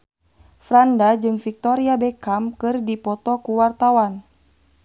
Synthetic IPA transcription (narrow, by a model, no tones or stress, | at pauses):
fɾandad͡ʒɨŋfik̚t̪ɔɾiabɛkamkɨrdipɔt̪ɔkuwart̪awan